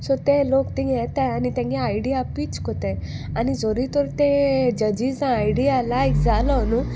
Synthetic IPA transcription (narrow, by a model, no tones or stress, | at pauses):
sɔt̪elokt̪ĩɡjɛt̪ajanit̪ãŋɡɛajɽijapit͡ɕkɔt̪eanid͡zɔɾit̪ɔɾt̪ẽd͡ʑəd͡ʑizãːjɖialajkd͡zalɔnu